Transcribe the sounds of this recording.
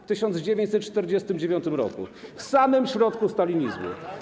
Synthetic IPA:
ft̪ɘɕɔnd̪zd͡ʑevʲjeɲt͡ɕʲsɛt̪̚t͡ʂʂt̪ɛɾd͡ʑɛst̪ɘmd͡ʑevʲjɔnt̪ɘmɾɔ̰kṵfsamɘmɕɾɔt̪kust̪alʲiɲizmṵ

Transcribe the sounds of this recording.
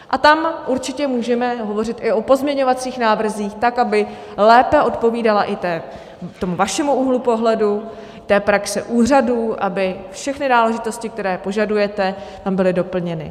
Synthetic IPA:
ʔat̪amʔuɾt͡ʃɪcɛmuːʒɛmɛɦo̞vo̞rɪt̪ʔɪʔo̞po̞zmɲɛɲovat͡siːxnaːvr̩ziːxt̪akabɪ | lɛːpɛʔo̞t̪po̞viːdalaʔɪt̪ɛː | t̪o̞muvaʃɛmuuːɦlupo̞ɦlɛdu | t̪ɛːpɾaksɛʔuːr̝aduːʔabɪfʃɛxnɪnaːlɛʒɪt̪o̞scɪkt̪ɛɾɛːpo̞ʒadujɛt̪ɛ | t̪ambɪlɪdo̞pl̩ɲɛnɪ̰

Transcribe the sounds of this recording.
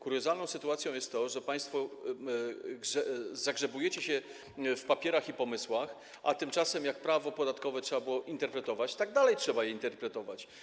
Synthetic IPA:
kuɾjɔzalnɔ̃w̃sɘt̪uwat̪sʲjɔ̃w̃jɛst̪ːɔʐɛpaj̃st̪fɔ | ɡʐɛzaɡʐɛbujɛt͡ɕɛɕɛ | fpapʲjɛɾaxipɔmɘswax | a̰t̪ɘmt͡ʂasɛmjak̚pɾavɔpɔd̪at̪kɔvɛtʂɛbabɘwɔʔint̪ɛɾpɾɛt̪ɔvat͡ɕt̪aɡd̪alɛjtʂɛbajɛint̪ɛɾpɾɛt̪ɔvat͡ɕ

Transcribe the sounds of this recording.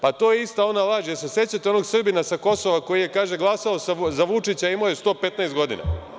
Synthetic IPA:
pat̪o̞ːjeist̪ao̞nalaʒijesese̞t͡ɕat̪eo̞noɡsr̩binasako̞soʋako̞jije̞kaːʒe̞ɡlˠasaosazaʋut͡ʃit͡ɕaimojest̪o̞ːpe̞t̪naest̪ɡo̞d̪ḭna̰

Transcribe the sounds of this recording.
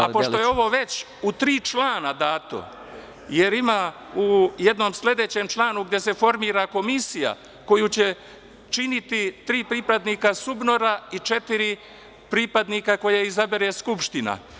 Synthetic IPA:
a̰poʃt̪o̞jeo̞ʋo̞ːʋe̞t͡ɕ | ut̪ɾiːt͡ʃlaːnad̪aːt̪o̰ | je̞ɾima | uje̞d̪no̞msle̞d̪e̞t͡ɕe̞mt͡ʃlˠaːnuɡd̪je̞se̞fo̞ɾmiːɾako̞misija̰ | ko̞jut͡ɕe̞ | t͡ʃinit̪it̪ɾiːpɾipad̪nikasubno̞ɾait͡ʃe̞t̪iɾi | pɾipad̪nikako̞jeizabeɾeskupʃt̪ina̰

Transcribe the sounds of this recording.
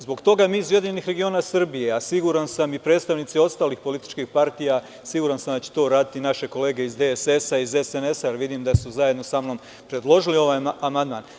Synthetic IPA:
zbo̞ɡt̪o̞ɡamizje̞d̪iɲeniːxɾe̞ɡio̞ːnasrbije̞asiɡuɾansamipɾe̞ːd̪st̪aʋnit̪sio̞st̪aːlixpo̞lit̪i̥t͡ʃkixpaɾt̪ija | siɡuːɾansamd̪at͡ɕe̥t̪o̞ːɾaːd̪it̪inaʃe̞ko̞le̞ːɡe̞izd̪ese̞saizesenesaɾʋid̪iːmd̪asuzaje̞d̪no̞samno̞ːm | pɾe̞d̪lˠo̞ʒilio̞ʋaːjamand̪ma̰ːn

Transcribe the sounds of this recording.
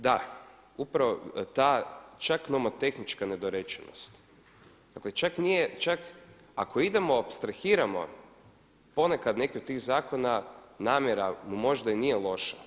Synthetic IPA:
d̪a | upɾaʋot̪aːt͡ʃaknomot̪e̞xnit͡ʃkane̞d̪oɾet͡ʃḛno̰st̪ | d̪̥aklet͡ʃaknijet͡ʃak | a̰ko̞id̪e̞mo̞opst̪ɾaxiːɾamo̞̰ | po̞nekad̪ne̞kit̪t̪ːiːɣzaːko̞nanaːmjeɾamumo̞ʒd̪ainijelˠo̞ʃa

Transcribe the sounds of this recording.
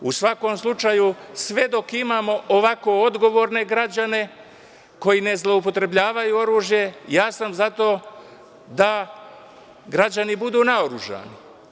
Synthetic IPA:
usʋako̞ːmslˠut͡ʃaːjusʋe̞d̪o̞kimaːmo̞ʔoʋako̞o̞d̪ɡo̞ʋo̞ːɾne̞ɡɾad͡ʑane̞ | ko̞jine̞zlˠo̞up̬o̞t̪ɾe̞bʎʲaːʋajuo̞ɾuːʒje̞jaːsamzat̪o̞ː | d̪a | ɡɾad͡ʑanibud̪uːnaoɾuʒa̰ːni

